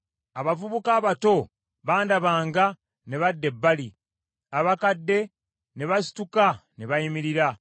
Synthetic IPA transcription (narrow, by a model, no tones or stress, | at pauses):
aβavuβukaːβato̞ | βaːndaβaːŋɡa | ne̞βadːe̞bːali | aβakadːe̞ | ne̞βasi̥tukane̞βajimiɾiɾa